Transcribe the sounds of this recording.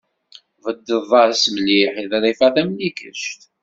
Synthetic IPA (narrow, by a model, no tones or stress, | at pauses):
vəd̪ːəvˤɑɾsməliħiðɾˤifæθæmnikə̰ʃt̪